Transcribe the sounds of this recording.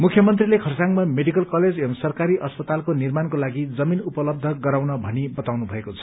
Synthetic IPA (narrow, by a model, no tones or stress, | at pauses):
mukʰjʌmʌnt̪rilekʰʌrsaŋmameɖikʌlkʌled͡zemsʌrkaɾiʔʌspʌt̪alkonirmankolaɡid͡zʌminupʌlʌb̚d̪ʱʌɡʌɾawnʌbʱʌnibʌt̪awnubʱʌekot͡sʰʌ̥